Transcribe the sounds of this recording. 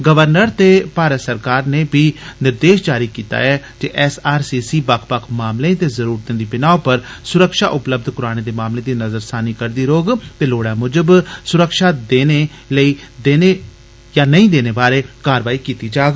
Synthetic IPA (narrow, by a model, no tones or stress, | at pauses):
ɡəʋəɾnəɾt̪eːpaːɾəsəɾkaːɾneːbiːnɪɾd̪eːʃd͡ʒaːɾiːkiːt̪a̰ːɛːd͡ʒeʔɛsaːɾsiːsiːbəkʰpəkʰmaːmlẽːt̪eːzəɾuːɾt̪ẽːd̪iːbɪnaːopəɾ | sʊɾəkʃa̰ːʔʊpləb̚d̪ʱkʊɾaːɽ̃eːd̪eːmaːmleːd̪iːnəzəɾsaːniːkəɾd̪iːɾoːɡt̪eːloːɽaːmʊd͡ʒəbsʊɾəkʃaːd̪eːneː | ləiːd̪eːne | jaːnəĩːd̪eːneːbaːɾeːkaːɾəʋaːiːkiːt̪iːd͡ʒaːɡ